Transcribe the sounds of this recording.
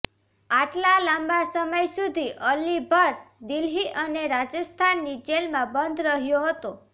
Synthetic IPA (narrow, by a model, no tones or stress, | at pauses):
aʈlalambasəməjsud̪ʱiʔəlibʱəɾd̪ilɦiʔəneɾad͡ʒəst̪ʰanːid͡ʒelmãbənd̪ʱɾəɦjoɦət̪o